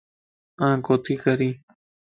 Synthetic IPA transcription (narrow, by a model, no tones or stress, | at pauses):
ãkot̪ikaɾi